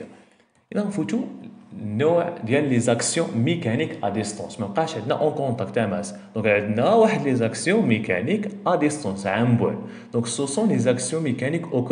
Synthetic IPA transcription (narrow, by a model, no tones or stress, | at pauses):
ʔd̪æfut̪unːuʕd̪jællizæksjɔ̃mekænikʔæd̪ist̪ɑ̰̃sməlqɑʃʕəd̪næ̰ʔɑ̃kɔ̃t̪ˤɑkt̪æmæsd̪̥ɔ̃kʕəd̪næwaħəd̪lizæksjɔ̃mekæ̰nikʔæd̪ist̪ˤɑ̃nsʕambwæ̰l | d̪̥ɔ̃ksusɔ̃lizæksjɔ̃mekænikʔok